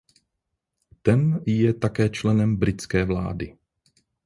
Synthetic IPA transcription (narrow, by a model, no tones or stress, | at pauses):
t̪ɛnjɛt̪akɛːt͡ʃlɛnɛmbɾɪt͡skɛːvla̰ːdɪ